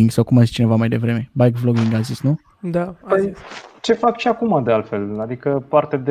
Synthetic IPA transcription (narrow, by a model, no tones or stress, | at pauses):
iŋɡsawkumazist͡ʃine̞vamajd̪e̞vɾe̞me̞bajɡvloɡiŋɡazisnu | d̪apət͡ʃe̞fakʃiakumad̪ealfe̞lad̪ikəpart̪ed̪